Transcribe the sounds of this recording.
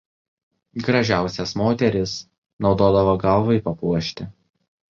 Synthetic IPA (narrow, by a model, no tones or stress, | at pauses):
ɡɾɐʒʲæˑʊsʲɛsmoːt̪ʲɛɾʲɪs | nɒʊd̪oːd̪ɐʋoɡɐlˠʋɐɪpɐpuɔʃʲt̪ʲɪ